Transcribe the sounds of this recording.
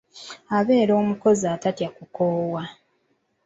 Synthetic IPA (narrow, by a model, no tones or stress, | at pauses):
aβe̞ːɾo̞ːmuko̞ziaːtatjakukoːwa